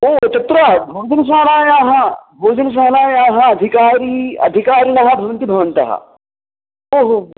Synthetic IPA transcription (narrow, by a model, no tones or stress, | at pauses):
oːt̪ɐt̪ɾɐbʱoːd͡ʒɐnɐs̬aɦlaːjaːɦɐbʱoːd͡ʒɐnɐs̬aɦlaːjaːɦɐɐd̪ʱikaːɾiːɐ̰d̪ʱikaːɾinɐɦɐbʱɐʋɐnt̪ibʱɐʋɐnt̪ɐ̰ɦɐ̰ | oːɦo